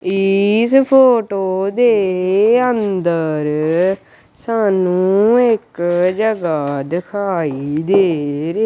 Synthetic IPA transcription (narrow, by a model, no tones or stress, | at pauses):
ɪspʰoːʈoːd̪eːənd̪əɾ | saːnũːɪkd͡ʒəɡad̪ɪkʰaːiːd̪eːɾe